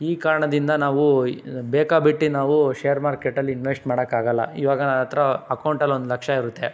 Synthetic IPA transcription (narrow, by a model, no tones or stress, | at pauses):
iːkaːɾɐɳɐd̪ind̪ɐnaːʋubeːkabiʈːinaːʋuʃeːɐɾmaːɾkeʈːɐlːiinʋesʈmaːɽɐkːaːɡɐlːɐ̰iʋaːɡɐɐt̪ɾɐɐkɐwɳʈɐlond̪ulɐkʂɐiɾut̪ːe